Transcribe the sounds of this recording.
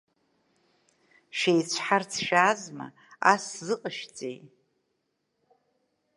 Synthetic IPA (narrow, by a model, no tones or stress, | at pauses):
ʃejt͡ɕʷʰħart͡sʰʃaːzma̰ | aszɨqʼəʃt͡sʼḛj